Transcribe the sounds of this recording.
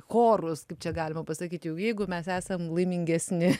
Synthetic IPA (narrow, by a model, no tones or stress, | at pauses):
xoːrʊskɐɪp̚t͡ʃʲɛɡɑːlʲɪmɐpɐsɐkʲiːt̪jɛʊjɛɪɡʊmʲɛsæːsɐmlˠɐɪmʲɪŋʲɡʲɛsʲnʲɪ